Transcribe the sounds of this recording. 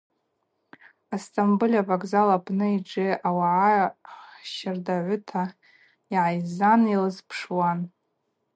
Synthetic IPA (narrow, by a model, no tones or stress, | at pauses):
astʼambɨlʲavakʼzalapʰʼnɨiʈ͡ʂʼɪawaʕa | ʃɪrdaʕʷʊtʰa | iʕajzanilɨzpʰʂwan